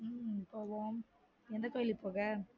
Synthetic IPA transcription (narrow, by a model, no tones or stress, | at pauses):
poːʋoːm | ɛnd̪ɐkːɐlipːoːɣɐ